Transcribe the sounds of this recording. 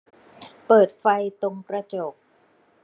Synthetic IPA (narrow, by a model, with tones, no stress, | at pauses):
pɤː˨˩t̪̚fa˧jt̪o˧ŋpɾa˧t͡ɕo˨˩k̚